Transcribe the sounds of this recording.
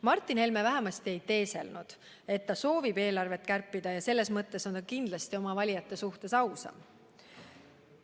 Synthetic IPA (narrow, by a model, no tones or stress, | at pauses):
mɑrt̪ːˑinhe̞lmevæɦe̞mɑst̪ie̞jt̪e̞ːse̞̰lnud̪̥ | e̞t̪ːɑso̞ːvibe̞ːlɑrve̞t̪ːˑkærpːˑid̪̥ɑjɑse̞lːe̞smɤt̪ːe̞so̞nt̪ɑkind̪lɑst̪io̞mɑvɑlʲijɑt̪ːˑe̞suht̪e̞sɑwsɑ̰m